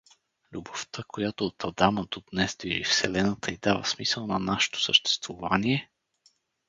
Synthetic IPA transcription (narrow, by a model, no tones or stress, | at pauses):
lʲuboft̪əkojat̪oːt̪ʰɐd̪aməd̪od̪̥nɛzd̪viʒḭfsɛlɛnət̪əid̪avə̰smisəlˠnɐnaʃɛ̥t̪o̥səʃt̪ɛ̥st̪vʊvaniɛ